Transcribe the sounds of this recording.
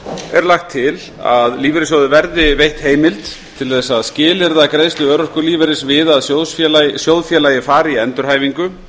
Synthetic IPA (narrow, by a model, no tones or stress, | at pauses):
ɛɾlaxt̪ʰːɪl | a̰ðliːvɛɾɪsjoːwðɪvɛɾðɪvejht̪heːjmɪlt̪ | t̪ʰːɪlθɛsːaðscɪːlɪɾðakɾejst̪ʏœːɾɔr̥kʏɾliːvɛɾɪsvɪðaðsjowðsfjɛlasjowðfjɛːlajɪfaːɾɪiɛnt̪ʏɾ̥haːjviŋkʏ